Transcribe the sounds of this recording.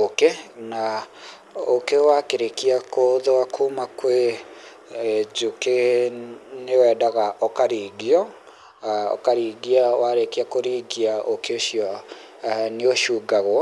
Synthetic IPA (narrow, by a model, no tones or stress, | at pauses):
okena | okewakeɾekiakoðoakʰuːmakwe | d͡ʒuke | newɛːdaɣaʔɔkaɾiːɡiɔ | ɔ̰kaɾiɡiawaɾekeakoɾiːɡiaʔokeoɕiɔ | neoʃuːɡaɣw